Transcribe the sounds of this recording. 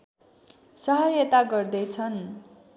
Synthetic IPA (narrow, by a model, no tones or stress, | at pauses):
sʌɦʌjʌt̪aɡʌrd̪ʌjt͡sʰʌn